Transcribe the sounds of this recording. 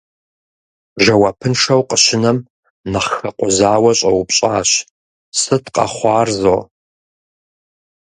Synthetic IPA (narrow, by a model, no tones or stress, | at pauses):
ʒɐwɐpʰɨnʂɐwqʼəɕɪnɐm | nɨχxɐqʷʼʊzaːwɐɕʼɐwpɕʼaːɕ | sɨtqʼɐ̰χʷɑːrzo